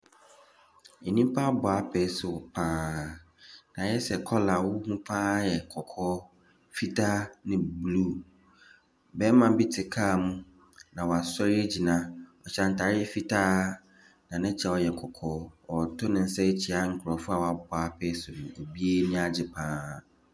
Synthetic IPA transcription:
e˨nĩ˦m˦pʰa˦bʊ˨a˦pʰɛ˨˦sʊ˨pʰãː˦˨ | nã˨jɛ˦sɛ˨kʰɔ˦la˨wʊ˦hũ˦pʰãː˦jɛ˨kʰɔ˨kʰɔː˦ | fi˦tʰa˦nɪ̃˦bluː˦ | bɛ˦mã˨bɪ˦tʰɪ˨kʰaː˦˨mũ˦ | nã˨wɔ˨a˨sɔ˦ɾɪ˦e˦d͡ʑi˨nã˦ɔ˨t͡ɕʰã˨n̩˨tʰa˨ɾɪ˦ɛ˦fi˦tʰa˦ | nã˨nɪ̃˦t͡ɕʰɛ˨wɔ˦jɛ˨kʰɔ˨kʰɔː˦ɔ˨tʰʊ˦nɪ̃˨n̩˦sɛ˦t͡ɕʰi˨a˦ŋ̩˨kʰʊ˨ɾɔ˨fʊ˦a˨wa˨bʊ˨a˨˦pʰɛ˦sʊ˨nũ˨o˨bi˦e˦nĩ˦a˦d͡ʑɪ˨pʰãː˦˨

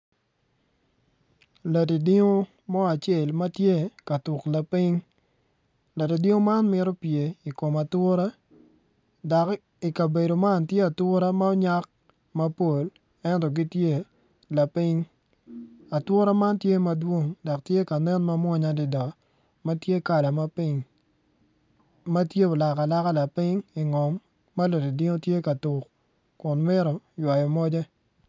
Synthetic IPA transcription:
la˨ti˨di˦ŋo˦ | mɔ˦a˨t͡ʃe˦˨lmɐ˦tje˦ka˨tʊ˨kla˨pi˦ŋ | la˨ti˨di˦o˦ma˦nmɪ˦ɾo˦pje˨i˨ko˨ma˨twʊ˦ɾa˦ | da˨k | i˨ka˨be˨do˨ma˦ntje˦a˨twʊ˦ɾa˦ma˦ɔ˦ɲa˦k̚ | mɐ˦po˨l | ɛ˦ntɔ˨ɡi˦tje˦˨ | la˨pi˦ɲ | a˨twʊ˦ɾa˦ma˦ntje˦mɐ˦dwo˦ŋdɔ˨k̚tje˦ka˨nɛ˦nma˦mwɔ˦ɲa˦dɪ˨dɔ˨ | ma˦tje˦ka˨la˨ma˦pi˦ɲ | ma˦tje˦o˨la˨ka˨la˦ka˦la˨pi˦ŋi˨ŋɔ˨mː | ɐ˦lo˨di˨dɪ˦ŋo˦tje˦ka˨tʊ˨k | kʊ˨nmɪ˦ɾɔ˨jwa˨jɔ˨mɔ˦d͡ʒɛ˦

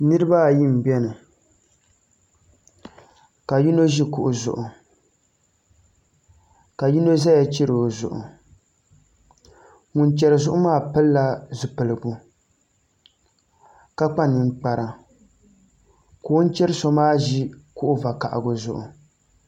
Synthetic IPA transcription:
nɨ˦ɾɨ˦ba˦˨ji˦˨m̩˨bɛ˦nɨ˨ | ka˨ji˦no˦ʒi˦kʊ˨ʔʊ˨zʊ̰˨ʔʊ˨ | ka˨ji˦no˦za˦ja˦t͡ʃi˦ɾo˨zʊ˨ʔʊ̰˨ | ŋʊ˨nt͡ʃɛ˨ɾɨ˨zʊ˦ʔʊ˦maː˦pɨ˦lːa˦zʊ˨pɨ˨lɨ˨ɡʊ˦ | ka˦k͡pa˦nɨ˨ŋ˨˦k͡pa˨ɾa˨ | koː˨˦n˦t͡ʃɛ˦ɾɨ˦so˦maː˦ʒi˦kʊ˦ʔʊ˦va˨ka˨ʔa̰˨ɡʊ˨zʊ̰˨ʔʊ̰˨

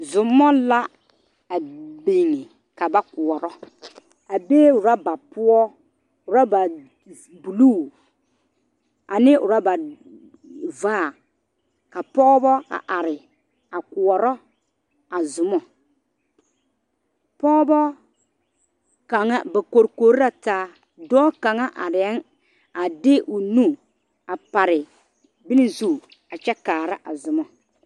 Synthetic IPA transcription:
zʊ˨mɔ˦la˦ | a˨be˨ŋɪ˨ | ka˨ba˦kʊ˨ɔ˨ɾɔ˦ | a˨beː˦ʊ˨ɾa˦ba˨pʊ˦ɔ˦ | ʊ˨ɾa˦ba˨ | bu˨lu˦˨ | a˨nɪ˦ʊ˨ɾa˦ba˨ | vaː˦˨ | ka˨pɔ˦bɔ˦a̰˨ʔa˨ɾɪ˨ | a˨ku˨ɔ˨ɾɔ˦ | a˨zʊ˨mɔ˨ | pɔ˦bɔ˦ | ka˨ŋa˦ba˨ko˨ɾko˨˦ɾi˦ɾa˨taː˦ | dɔː˦ka˨ŋa˦ʔa˨ɾɪ˨ɛ˦n | a˨dɪ˦ʔʊ˨nu˦ | a˨pa˨ɾɪ˨ | bɪ˦nɪ˦zu˦˨ | a˨t͡ʃɛ˦kaː˨ɾa˦ʔa˨zʊ˨mɔ˨

